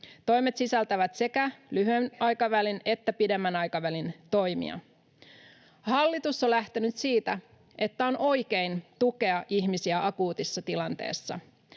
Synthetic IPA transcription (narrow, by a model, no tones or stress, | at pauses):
t̪o̞jme̞t̪sisælt̪æʋæt̪se̞kælyɦyenɑjkɑʋæline̞t̪ːæpide̞mːænɑjkɑʋælint̪o̞jmḭɑ̰ | hɑlːit̪usːolæht̪e̞nyt̪siːt̪æ | ʔe̞t̪ːæonʔo̞jke̞jnt̪uke̞ɑʔiçmisiæʔɑkuːt̪isːɑt̪ilɑnt̪e̞̰ːsːɑ̰